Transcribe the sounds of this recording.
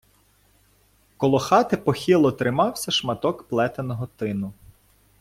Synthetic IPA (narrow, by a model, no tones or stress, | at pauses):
kɔlˠɔxɑt̪ɪpɔxʲilˠɔt̪ɾɪmɑwsʲɐʃmɐt̪ɔkplˠɛt̪enɔɦɔt̪ɪnʊ